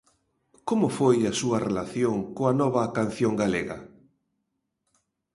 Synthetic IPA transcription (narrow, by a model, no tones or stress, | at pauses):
komʊfojɐsuɐrelaθjoŋkoɐnɔβɐkan̟θjoŋɡaleɣɐ̰